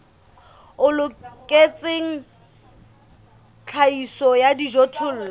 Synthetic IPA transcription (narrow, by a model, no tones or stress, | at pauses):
ʊlʊkʼet͡sʼeŋ̩ | t͡ɬʰaisɔjadiʒotʰʊl̩ːlɔ